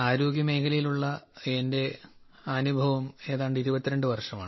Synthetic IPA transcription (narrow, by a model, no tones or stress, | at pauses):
aːɾoːɡjɐme̞ːkʰɐlɐjiluɭːɐende̞ | ɐnubʱɐʋɐme̞ːðaːɳɖɨiɾubɐt̪ːiɾe̞ɳɖɨʋɐrʂɐmaːɳɨ